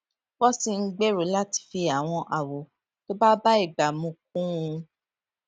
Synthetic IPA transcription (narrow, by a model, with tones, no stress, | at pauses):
wɔ˦si˧ŋ̩˦ɡ͡be˦ɾo˨˦la˦ti̥˨˧˨fi˧a˨w̃ɔ̃˧ʔa˨wo˨ | to˦ba˦ba˦i˦˨ɡ͡ba˨mũ˨˧˦k̚ũ˦ũ˧